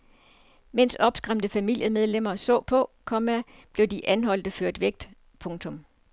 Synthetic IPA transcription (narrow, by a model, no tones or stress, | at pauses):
men̰sɒ̽b̥sɡ̥ʁam̰d̥əfæmil̰jəmeð̞ˠlem̰ɐsɔ̰̽ːpʰɒ̽kʰɒ̽mæb̥le̝ʊd̥iʔænɦɒ̽l̰d̥əføɐ̰d̥ʋeɡ̥̚d̥ | pʰɔ̽ŋt͡sʰɔ̽m